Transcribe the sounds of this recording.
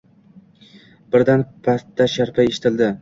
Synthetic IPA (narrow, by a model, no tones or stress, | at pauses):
bɪɾd̪anpʰast̪ʰːaʃaɾpʰaeʃɪ̥t̪ʰɪld̪ɪ